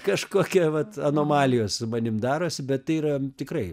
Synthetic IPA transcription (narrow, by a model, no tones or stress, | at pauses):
kɐʃkoːkʲɛʋɐt̪ɐnoːmɑːlʲɪjoːsʊmɐnʲɪmd̪ɑːɾoːsʲɪbʲɛt̪tɐɪiːɾɐt̪ʲɪkɾrɐɪ